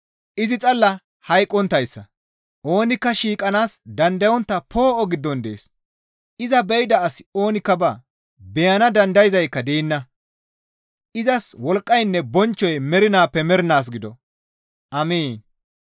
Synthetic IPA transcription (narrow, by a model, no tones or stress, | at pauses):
ʔɪzɪt͡sʼɐlːɐ | hɐjkʼːɔnt̪ːɐjsːɐ | ʔo̞ːnɪkːɐʃiːkʼɐnaːsd̪ɐnd̪ɐjɔnt̪ːɐpʰo̞ːʔɔɡɪd̪ːɔnd̪e̞̰ːs | ɪzɐbɛjd̪ɐːsɪ̥o̞ːnɪkːɐbɐ | bɛjɐnɐd̪ɐnd̪ɐjɪzɐjkːɐd̪eːnːɐ | ʔɪzɐswɔlkʼːɐjnːɛbɔnt͡ʃːɔjmɛɾɪnaːpːɛmɛɾɪnaːs̬ɡɪd̪ɔ̰ | ʔɐmiːn